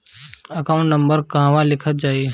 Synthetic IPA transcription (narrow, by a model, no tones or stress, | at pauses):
ɐkaʊ̃ɳʈnə̃mbəɾkɐɦãʋãlɪkʰət̪̚d͡ʒaːi